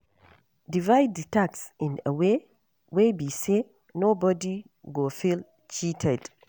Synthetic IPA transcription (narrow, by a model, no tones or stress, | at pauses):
divajdtaksĩna̰we | webise | nobɔdi | ɡofil | t͡ʃitʰɛd